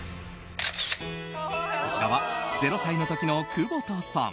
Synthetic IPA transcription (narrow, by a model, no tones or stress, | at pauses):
ko̞t͡ɕiɾaβaze̞ɾo̞saino̞t̪o̞kʲino̞kɯːboːt̪aːsã̰